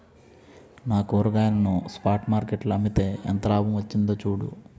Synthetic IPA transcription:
naːkoːɾɐɡaːjɐnɐnuspaːɾʈmaːɾkeʈluɐmit̪e̞ːɛ̰nt̪ɐlaːbɐmʋɐt͡ʃːind̪oːt͡ʃuːɽṵ

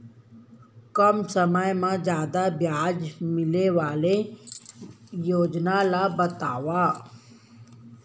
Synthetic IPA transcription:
kɔmsəmajmãzjaːd̪abjaːd͡ʒmɪleʋaːle | joːd͡ʒnalabɐt̪aːwaː

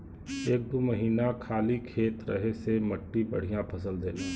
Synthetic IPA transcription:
eːk̚d̪uməɦiːnakʰaːlikʰeːt̪ɾəɦesemɐʈːibə̰ɽ̤ijãpʰɐsəld̪eːl

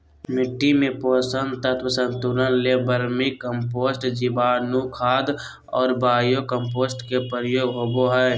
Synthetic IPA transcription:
mɪʈːimẽpoːsənt̪ət̪ʰwəsə̃nt̪uɾənlebəɾmikəmpoːsʈd͡ʒibaːɾnukʰaːd̪ | ɔːɾbaːjokəmpoːsʈkepəɾjoːɡɦoboɦɛ

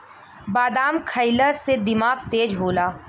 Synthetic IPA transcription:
baːd̪aːmkʰəɪləɾsed̪ɪmaːɡ̚t̪eːd͡ʒɦoːlaː

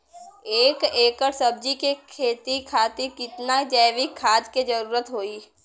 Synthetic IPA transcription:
eːkeːkəɾsəb̚d͡ʒikekʰeːt̪ikʰaːt̪ikɪt̪nad͡ʒɛːʋikʰːaːd͡ʒ̪ked͡ʒəɾuːɾət̪ɦoːiː

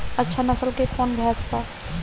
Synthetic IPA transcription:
ətːʃʰanəsəlkekʰɔnbʱɛt͡ʃpa

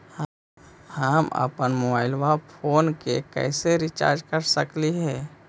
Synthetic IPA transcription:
h | həmə̰pənmobaːɪlwapʰoːnkekɛ̰ːseɾɪt͡ʃa̰ːɾd͡ʒkəɾsəkliɦɛː

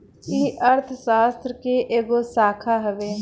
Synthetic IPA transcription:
kiʔəɾt̪ʰʃaːst̪ɾəkeʔeːɡoːsaːkʰaːɦəʋeː

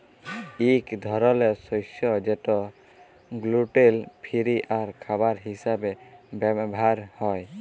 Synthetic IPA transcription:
ikd̪ʱɔɾɔlesɔsɔd͡ʒeʈɔ | ɡluʈelpʰiɾiʔaɾkʰabaɾɦisabebɛbʱaɾhɔj

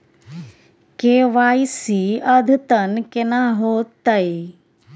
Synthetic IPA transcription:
keːʋaːjsiɐd̪ʱt̪ɐnkenaɦoːt̪ːɐj

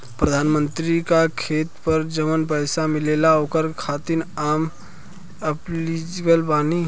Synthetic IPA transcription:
pɾəd̪ʱanmənt̪ɾikakʰet̪pəɾd͡ʒəmənpəjsamilelaokəɾkʰat̪inam | əplid͡ʒɡəlpani

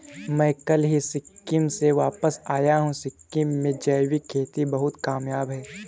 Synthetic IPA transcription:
mɛ̃ːkɐlɦisɪkːɪmseʋaːpəsaːjaɦũsɪkːɪmːẽd͡ʒɛːɪwikʰeːt̪ibɐɦʊt̪kaːmjaːbɦɛː

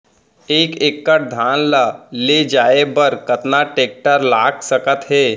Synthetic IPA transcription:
eːkeːkːəɾd̪ʱaːnlaled͡ʒaːebəɾkət̪naʈeːk̚ʈəɾlaːɡsəkət̪ɦɛː

